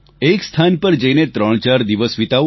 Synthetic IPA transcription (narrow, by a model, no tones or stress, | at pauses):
ekst̪ʰanpəɾd͡ʒəinet̪ɾəɳ̃t͡ʃaɾd̪iʋəsʋit̪a